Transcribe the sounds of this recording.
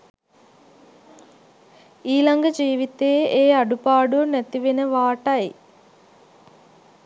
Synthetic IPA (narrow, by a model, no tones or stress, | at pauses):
iːlɐŋɡɐd͡ʒiːʋit̪ːeːeːɐɖupaːɽunet̪ːiʋinɐʋaːʈɐj